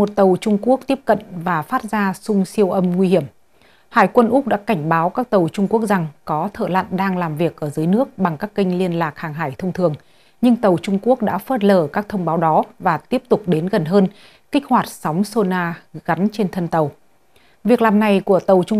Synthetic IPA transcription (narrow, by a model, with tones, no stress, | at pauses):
mo˨˩t̚t̪ə˨˩wt͡ɕʊ˧ŋ͡mku˦˥ək̚t̪i˦˥əp̚kə̰˧˨nvaː˨˩faː˦˥t̚zaː˧sʊ˧ŋ͡msi˧əwʔə˧mŋwi˧hi˧˩əm | haː˧˩jkwə˧nʔʊ˦˥k͡p̚ɗa̰ː˧˥ka˧˩jŋ̟ɓaː˨˦wkaː˦˥k̚t̪ə˨˩wt͡ɕʊ˧ŋ͡mku˦˥ək̚za˨˩ŋkɔ˨˦t̪ʰə̰ː˧˨la̰˧˨nɗaː˧ŋlaː˨˩mvi˨˩ək̚ʔəː˧˩zɨː˨˦jnɨ˦˥ək̚ɓa˨˩ŋkaː˦˥kːï˧ŋ̟li˧ənlaː˨˩k̚haː˨˩ŋɦa̰ː˧˩jt̪ʰə˧wŋ͡mt̪ʰɨ˨˩əŋ | ɲɨ˧ŋt̪ə˨˩wt͡ɕʊ˧ŋ͡mku˦˥ək̚ɗa̰ː˧˥fəː˦˥t̚ləː˧˩kaː˦˥k̚t̪ʰə˧wŋ͡mɓaː˨˦wɗɔ˨˦vaː˨˩t̪i˦˥əp̚t̪ʊ˨˩k͡p̚ɗe˨˦nɣə˨˩nɦəː˧n | kï˦˥k̟̚hwaː˨˩t̚sa˨˦wŋ͡mso˧naː˧ɣa˨˦nt͡ɕe˧nt̪ʰə˧nt̪ə˨˩w | vi˨˩ək̚laː˨˩mna˨˩jku˧˩ət̪ə˨˩wt͡ɕʊ˧